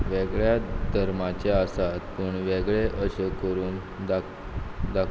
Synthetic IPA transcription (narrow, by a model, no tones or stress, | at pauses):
ʋeɡɭjad̪ʱəɾmat͡ɕeasat̪pəɳʋeɡɭeʔəɕekəɾuːn | d̪a | d̪ak